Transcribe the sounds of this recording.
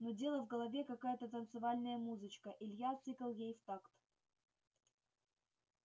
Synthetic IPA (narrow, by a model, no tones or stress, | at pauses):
nodʲe̞lˠəvɡəlˠɐvʲekɐkajət̪ət̪ənt̪sɨvalʲnəjəmuzɨt͡ɕkəʔɪlʲjat̪sɨkəlˠjejft̪akt̪